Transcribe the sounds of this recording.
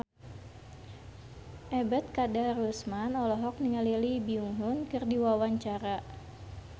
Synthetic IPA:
ʔɛbɛt̪̚kadarusmanɔlɔɦɔk̚niŋalilibiuŋɦʊnkɨrdiwawaɲt͡ʃaɾa

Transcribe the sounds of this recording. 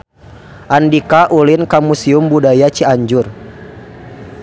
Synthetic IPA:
ʔandikaʔulinkamusiumbudajat͡ʃiaɲd͡ʒʊr

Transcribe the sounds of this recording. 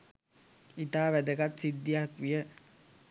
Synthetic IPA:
it̪aːʋæd̪əkat̪sid̪ːiakʋijə

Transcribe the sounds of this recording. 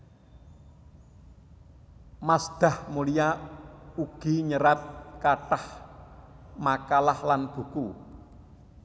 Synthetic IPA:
masd̪̥a̤hmulija | uɡ̥i̤ɲəɾat̪̚kaʈah | makalahlanb̥ṳku

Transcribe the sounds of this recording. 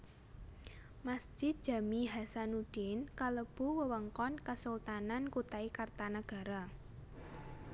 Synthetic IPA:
masd̥d͡ʒʒ̥ɪt̪̚d̥ʒ̥a̤miɦasanud̥ɪnkaləb̥ṳwəwəŋkɔnkəsult̪anankut̪aikart̪anəɡ̥a̤ɾa

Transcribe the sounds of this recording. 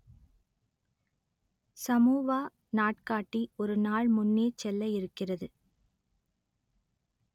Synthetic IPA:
sɐmuːʋaː | naːʈkaːʈːiɔɾɯnaːɭmʊnːeːt͡ʃɛlːɐjɪɾɯkːɪrɐðɯ

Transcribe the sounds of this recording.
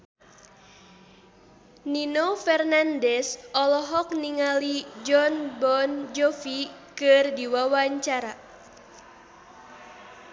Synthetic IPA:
ninofɛrnandɛsɔlɔɦɔk̚niŋalid͡ʒɔnbɔnd͡ʒɔfikɨrdiwawaɲt͡ʃaɾa

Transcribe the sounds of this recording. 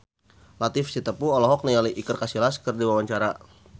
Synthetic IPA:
lat̪ɪfsit̪əpuɔlɔɦɔk̚nijaliʔikərkasilaskərdiwawaɲt͡ʃaɾa

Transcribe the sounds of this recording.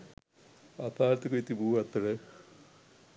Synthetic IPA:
ɐt̪ʰaːlɐt̪ːɨkojit̪ːibuːɐt̪ːɐɽe

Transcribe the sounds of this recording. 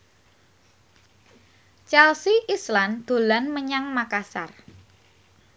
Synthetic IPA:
t͡ʃɛlsiʔisland̪̥o̤lanməɲaŋmakasa̰r

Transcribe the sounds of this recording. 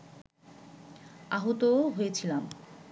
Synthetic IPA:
aɦot̪oɦojet͡ɕʰilam

